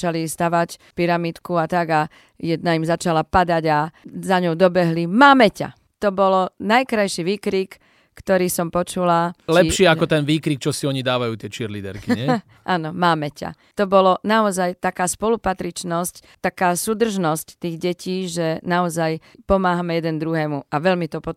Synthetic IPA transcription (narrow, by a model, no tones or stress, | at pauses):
t͡ʃalist̪aʋacpiɾamit̪kuat̪aɡa | jɛd̪̚naimzat͡ʃalapad̪aɟazaɲɔʊd̪ɔbɛɦlimaːmɛca̰ | t̪ɔbɔlɔnajkɾajʃiʋiːkɾiːkː | t̪ɔɾiːsɔmpɔt͡ʃulalɛʃiːakɔt̪ɛnʋiːkɾiːk̚t͡ʃɔsiɔɲid̪aːʋajuːt̪ɪɛt͡ʃɛɾlid̪ɛ̰ɾkiɲɛ | ʔaːnɔmaːmɛca̰ | t̪ɔbɔlɔnaɔzajt̪akaːspɔlupat̪ɾit͡ʃnɔsc | t̪akaːsuːd̪r̩ʒnɔsct̪iːɣɟɛcʰiːʒɛnaɔzajpɔmaːɦamɛjɛd̪ɛnd̪ɾuɦɛːmuaʋɛlmit̪ɔpɔ